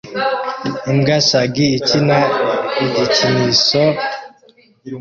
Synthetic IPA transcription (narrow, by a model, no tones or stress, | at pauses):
imɡasaɡiːcinaidiciniso